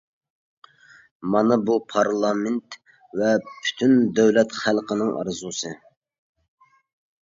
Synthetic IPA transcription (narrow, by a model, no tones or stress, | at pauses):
mɑnɨbupʰɑɾlˠɑmɪnt̪ | vɛpʰy̥t̪ʰynd̪øwlɛt̪χælˠqənɨŋɑ̰ɾzusɨ